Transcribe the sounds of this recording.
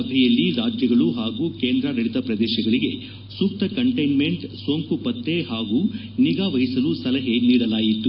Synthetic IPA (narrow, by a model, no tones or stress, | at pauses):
ɐbʱɛjɐlːiɾaːd͡ʒjɐɡɐɭuɦaːɡuːkeːnd̪ɾɐdɐɽit̪ɐpɾɐd̪ɛːʃɐɡɐɭiɡe̞ | suk̚t̪ɐkɐɳʈɐjnme̞ɳʈsoŋkupɐt̪ːe̞ɦaːɡuː | niɡaːʋɐɦisɐlusɐlɐɦe̞niːɽɐlaːjit̪ːu